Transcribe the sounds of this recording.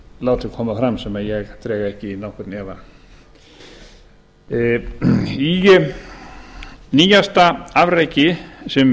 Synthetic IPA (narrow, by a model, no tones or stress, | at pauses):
laːwt̪ɪkʰɔːmafɾamsɛmaðjɛɣt̪ʰɾɛːɣaɛhcɪnɔhkʏɾt̪nɛva | i | niːjast̪aavɾajcɪsɛm